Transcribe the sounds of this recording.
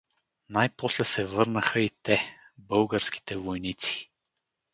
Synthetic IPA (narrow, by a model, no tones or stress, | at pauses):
najpɔslɛsɛvɤɾnəxəit̪ɛ | bɤlˠɡəɾski̥t̪ɛvojnit̪si̥